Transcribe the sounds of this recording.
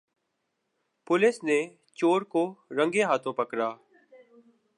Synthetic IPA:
pʊlɪsneː | t͡ʃoːɾkoːɾə̃ŋɡeːɦaːt̪ʰõːpəkɾaː

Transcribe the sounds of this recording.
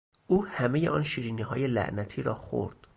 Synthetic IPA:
ʔuːhæmeje̞ʔɒːnʃiːɾiːniːɦɒːje̞læ̰ʔnæt̪ʰiːɾɒːxo̰ɾd̪̥

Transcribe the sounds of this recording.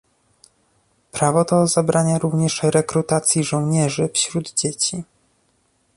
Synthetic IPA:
pɾavɔt̪ɔzabɾaɲaɾuvɲɛʂɾɛkɾut̪at̪sʲjiʐɔ̃w̃ɲɛʐɘfɕɾud̪d͡ʑet͡ɕi

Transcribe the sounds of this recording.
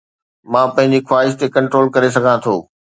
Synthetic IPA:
mãːpɐ̃ɦɪ̃ɲ̆d͡ʑixwaːɦɪʃ̬t̪ekɐ̃ɳʈɾoːlkɐɾesɐɡʱãt̪ʰo̰ː

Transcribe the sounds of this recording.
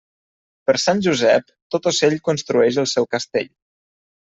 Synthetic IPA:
pəɾsanʲʒuzɛp | t̪ot̪oseʎkunst̪ɾuɛʃ̬əlˠsɛwkəst̪ḛʎ

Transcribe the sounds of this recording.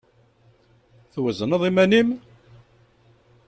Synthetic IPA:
θwəzənəðˤimænim

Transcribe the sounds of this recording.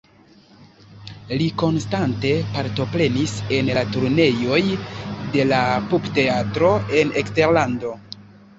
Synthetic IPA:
liko̞nstante̞paɾto̞pɾe̞nise̞nlatuɾne̞jo̞jde̞lapubte̞atɾo̞e̞nekste̞ɾlando̞

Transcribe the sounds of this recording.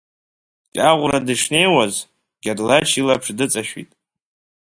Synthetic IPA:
kʲʼaʁʷradɨʂne̞jwaz | ɡ̥ʲadlat͡ʃʰilapʰʂdɨt͡sʼaʃᶣḭtʼ

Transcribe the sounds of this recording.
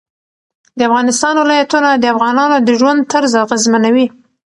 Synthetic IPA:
d̪əafɣɑnɪst̪ɑnwɪlɑjat̪unad̪əafɣɑnɑnod̪əʒwand̪̚t̪əɾzaɣəzmanawi

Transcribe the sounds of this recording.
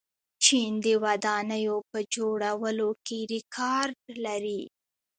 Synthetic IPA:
t͡ʃind̪əwad̪ɑnəjopəd͡ʒoɽawəlokeɾɪkʰɑɾɖlaɾi

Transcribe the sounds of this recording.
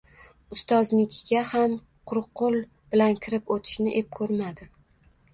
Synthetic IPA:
ʊst̪ɒznɪkʲʰɡʲaham | qʰʊɾqːʊlˠ | b̥ɪlankʲʰɪɾɪpot̪ʰɪ̥ʃnɪʔe̞p̚kʰɵɾmad̪ɪ

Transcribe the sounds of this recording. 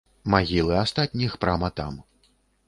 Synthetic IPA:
maɣʲilˠɨast̪at̪̚ʲnʲixpɾamɐt̪a̰m

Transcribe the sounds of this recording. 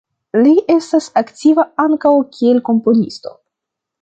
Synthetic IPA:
liʔe̞stasaktʲivaaŋkawkʰʲie̞lko̞mpo̞nḭsto̞̰

